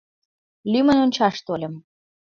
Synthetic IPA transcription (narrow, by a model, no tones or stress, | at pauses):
lymə̆nonʲt͡ɕɑʃt̪olʲə̆m